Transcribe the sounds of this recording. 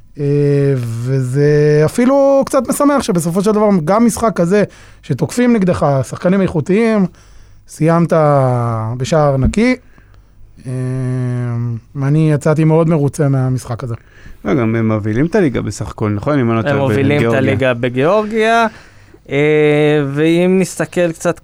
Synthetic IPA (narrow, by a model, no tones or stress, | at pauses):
eve̞zeafilukt͡sat̪me̞same̞aχʃebes̬o̞f̬o̞ʃ̬eld̪avaʁɡamːisχakːaze̞ | ʃet̪o̞kfimneɡd̪eχasaχkanimajχut̪iim | sijamt̪a | beʃaʁnaki | e | anijat͡sat̪imeo̞d̪me̞ʁut͡se̞meamisχakaze̞loɡamemovilimt̪aliɡa̰besaχḁko̞lnaχo̞nimanoovilialiɡabeɡeo̞ʁɡia | eveimnist̪ake̞lkt͡sat̪